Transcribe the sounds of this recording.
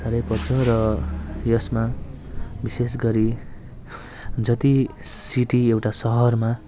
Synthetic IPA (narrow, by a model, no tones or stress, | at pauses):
aɾʌjpʌrt͡sʰʌɾʌjʌsma | bises̬ɡʌɾi | d͡zʌt̪i | siʈiewʈasʌɦʌrma